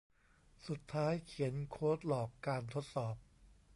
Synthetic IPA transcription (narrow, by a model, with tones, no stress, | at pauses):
su˨˩t̪ʰːaː˦˥jkʰi˩˦ənkʰoː˦˥t̪̚lɔː˨˩kːaː˧nt̪ʰo˦˥t̪̚sɔː˨˩p̚